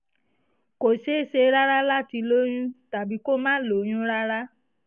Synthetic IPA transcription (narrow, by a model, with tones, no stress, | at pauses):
ko˨ʃe˦se˧ɾa˦ɾa˦la˦ti˧lo˦j̃ũ˦ta˨bi˨˦ko˦mãː˦lo˨˦j̃ũ˦ɾa˦ɾa˦